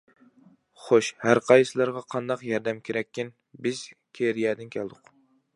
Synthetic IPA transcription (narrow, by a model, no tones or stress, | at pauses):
χoʃhæɾqʰɑjsɨlˠɑɾʁɑqʰɑnd̪ɑqjɑɾd̪ɛmkʲʰeɾɛkʲːɪn | bɪz̥kʲʰeɾijɛːd̪ɪnkʲʰɛlˠd̪ʊq